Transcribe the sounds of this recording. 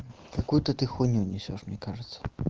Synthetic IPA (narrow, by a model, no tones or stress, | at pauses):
kakujut̪ɨt̪ɨxunʲuwnʲɛsʲɔʂmnʲɛkaʐɨt̪sːɐ̥